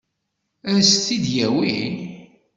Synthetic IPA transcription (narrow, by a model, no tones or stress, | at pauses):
æsθid̪jæwin